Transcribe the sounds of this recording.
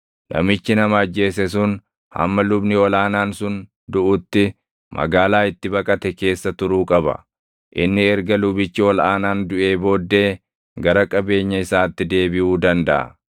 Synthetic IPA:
nʔɐ̰mɪt͡ʃːɪnɐmɐɐd͡ʒːe̞ːsɛs̬ʊn | hɐ̰mːɐlʊbnɪɔlaːnaːnsʊn | d̪ʊʔʊt̪ːɪ | mʔɐ̰ɡaːlaːɪt̪ːɪbɐkʼɐt̪ɛke̞ːsːɐt̪ʊɾuːkʼɐbɐ̰ | ʔɪnːɪɛɾɡɐlʊbɪt͡ʃːɪwɔlʔaːnaːnd̪ʊʔe̞ːbo̞ːd̪ːe̞ː | ɡɐɾɐkʼɐbe̞ːɲːɐɪsaːt̪ːɪd̪e̞ːbɪʔuːd̪ɐnd̪ɐʔɐ̰

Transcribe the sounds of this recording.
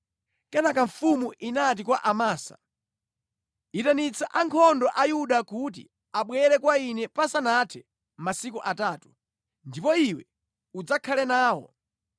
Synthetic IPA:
kɛnakaɱfumuʔinat̬ikwaʔamaːsa̰ | itanit͡sʰaʔaŋkʰɔndɔʔajuɗakut̬ḭ | aɓwɛɾɛkwainɛpasanatʰɛ | masikuʔataːtu̥ | ndipɔiwɛ | ud͡zakʰalɛnaːwɔ̰

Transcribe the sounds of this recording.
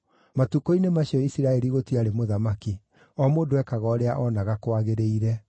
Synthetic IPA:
matukoinemaɕiɔisiɾaɛɾiɣotiaɾemoðamaki | ɔmoːndoɛkaɣɔɾeaʔɔnaɣakwaɣeɾeiɾɛ

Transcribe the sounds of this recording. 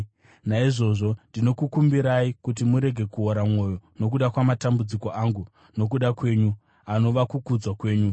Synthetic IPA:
naiʐo̞ʐo̞ndino̞kukumbiɾaikut̬imuɾe̞ɡʱe̞kuoɾamŋo̞jo̞no̞k̬uɗakwamatambud͡ziko̞aŋɡu | no̞k̬uɗakwe̞ːɲu | ano̞ʋakukud͡zwakwe̞ːɲu

